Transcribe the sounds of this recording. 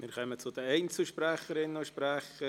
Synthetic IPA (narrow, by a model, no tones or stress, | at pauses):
mɪɾkɛmət͡sʊdəɛɪnt͡slʃpɾɛχəɾɪnəʃpɾɛχə